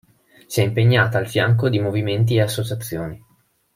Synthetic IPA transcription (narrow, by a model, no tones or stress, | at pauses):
siɛimpeɲːaːt̪aːlfjaŋkod̪imoviment̪̬ieasːot͡ʃat̪sːjoːni